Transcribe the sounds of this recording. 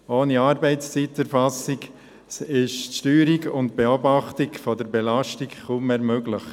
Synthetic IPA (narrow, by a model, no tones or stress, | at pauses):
oːniɑːɾbɛɪtst͡sitːɛɾfɑsiɡ | ɪʃʃtyːɾiɡʊntb̥eobɑχtiɡfɔdəɾbelɑʃtiɡχuːmmeːɾmøɡləχ